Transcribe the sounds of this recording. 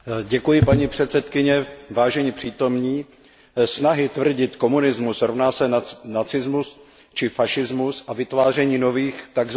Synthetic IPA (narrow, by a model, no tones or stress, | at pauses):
ɟɛkujɪpaɲiːpr̥ɛt̪sɛt̪kɪɲɛvaːʒɛɲipr̥iːt̪o̞mɲiː | snaɦɪt̪vr̩ɟɪt̪ko̞munɪzmusɾovnaːsɛnat͡sɪzmus | t͡ʃɪfaʃɪzmusʔavɪt̪vaːr̝ɛɲiːno̞viːxt̪aɡz